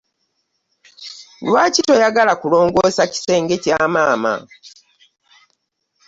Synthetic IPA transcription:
lwaːcito̞jaɡalakulo̞ːŋɡo̞ːsaci̥se̞ːŋɡe̞caːmaːma̰

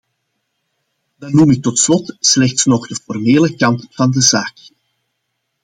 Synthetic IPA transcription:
dɑnumɪk̚tɔtslɔtslɛxtsnɔɣdəfɔrmeːləkɑntfɑndəzaːk

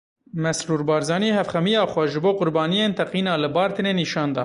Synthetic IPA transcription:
mɛsɾuːɾbɑːɾzɑːniɦɛfxɛmijɑːxʷɛʒɨboːqʊɾbɑːnijeːnt̪ʰɛqiːnɑːlɨbɑːɾt̪ʰɨneːniːʃɑːnd̪ɑ̰ː

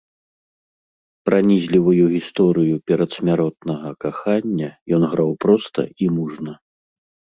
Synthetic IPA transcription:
pɾanʲizʲlʲivujuɣʲist̪ɔɾɨjupʲɛɾɐt̪sʲmʲaɾɔt̪̚nɐɣɐkaxanʲːɐjɔnɣɾawpɾɔst̪ɐ̰imuʐnɐ

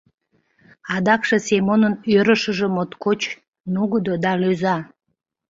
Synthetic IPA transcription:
ɑd̪ɑkʃe̽semonənøɾəʃəʒemot̪kot͡ɕ | nuɣəd̪od̪ɑløzɑ

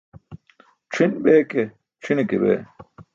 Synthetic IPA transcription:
ʈ͡ʂʰinbeːke | ʈ͡ʂʰinekebḛː

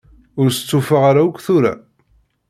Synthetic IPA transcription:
ʊɾsə̥t͡sːufaʁaɾaukʷːθʊɾa̰

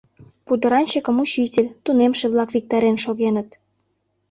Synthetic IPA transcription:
pud̪əɾɑnʲt͡ɕəkə̆mut͡ɕitʲelʲt̪unemʃeβlɑkβik̚t̪ɑɾenʃoɣenət̪̚

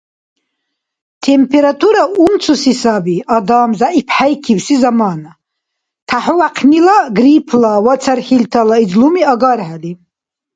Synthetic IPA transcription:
t̪ʰɛmpʰɛɾat̪ʰuɾaumt͡sʰusisabiad̪aːmzaipʰħajkʰiwsizamaːna | t̪ʰaħɔwaqʰnilaɡɾipʰlawat͡sʰaɾχilt̪ʰalaid͡zlumiaɡaɾħali

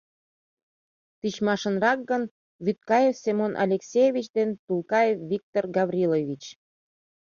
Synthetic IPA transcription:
t̪it͡ɕmɑʃənrɑk̚ɡən | βyt̪̚kɑjefsemonʔɑ̰lʲeksʲejevʲit͡ɕd̪ent̪ulˠkɑjefvik̚t̪orɡɑβrʲilovʲit͡ɕ

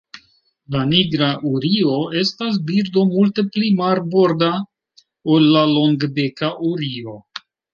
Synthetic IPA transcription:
laniɡɾaʔuɾio̞e̞stas̬biɾdo̞multe̞plimaɾbo̞ɾda | olːalo̞ŋɡbekaʔuɾio̞

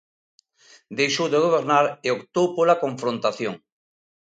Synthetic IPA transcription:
d̪ejʃowðeɣ̞oβ̞eɾnaɾeokt̪owpolakõɱfɾõnt̪aθjoŋ

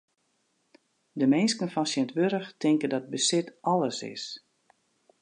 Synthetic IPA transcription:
dəmɪnskənfɔnsjɛntʋøɾəxtɪŋkəndɔt̚bəsɪtɔləsɪ̰s

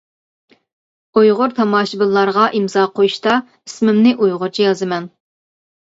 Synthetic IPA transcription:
ujʁʊɾt̪ʰɑmɑːʃibɨlˠːɑɾʁɑʔimzɑːqʰojuʃt̪ɑ | ismɪmnɪʔujʁʊɾt͡ʃʰijɑzɨmɛn

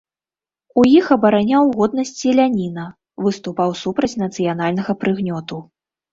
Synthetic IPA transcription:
ujixɐbɐɾanʲawɣɔd̪̚nɐsʲt͡sʲilʲanʲinɐ | vɨst̪upawsupɾɐt͡sʲnɐt̪sɨjanalʲnɐɣɐpɾɨɣnʲɔt̪u

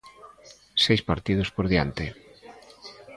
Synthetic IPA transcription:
sejspaɾt̪ið̞ospoɾðjant̪ɪ

